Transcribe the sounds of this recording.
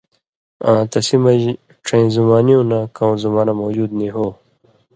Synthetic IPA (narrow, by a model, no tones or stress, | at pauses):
ãːt̪ɐsimɐj | ʈ͡ʂʰẽzumaːnijõnãkɐw̃zumaːnamoːd͡ʑuːd̪niɦoː